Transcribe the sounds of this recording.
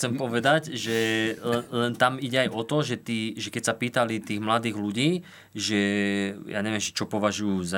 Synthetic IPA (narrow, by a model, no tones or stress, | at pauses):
t͡sɛmpɔʋɛd̪aɟʒɛlɛlɛnt̪amiɟɛajɔt̪ɔʒɛt̪iːʒɛkɛcsapiːt̪alit̪iːɣmlad̪iːɣluɟiː | ʒɛja̰ːɲɛʋɪɛmt͡ʃɛ̥t͡ʃɔpɔʋaʒujuːza